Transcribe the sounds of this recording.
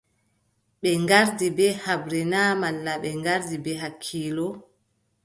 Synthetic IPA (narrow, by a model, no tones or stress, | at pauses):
ɓɛŋɡaɾdibɛhabɾɛnamalːaɓɛŋɡaɾdibɛɦakʰːiːlɔ